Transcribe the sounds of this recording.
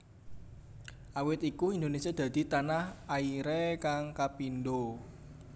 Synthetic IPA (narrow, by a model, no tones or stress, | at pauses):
ʔawɪt̪ikuind̪onesiad̪̥ä̤d̪̥i̤t̪anahaiɾekaŋkapinɖo